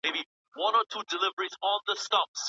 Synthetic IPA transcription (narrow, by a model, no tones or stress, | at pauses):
ebi | wãnɔtʰudɪlɪvəɹizɔ̃nðəstɔps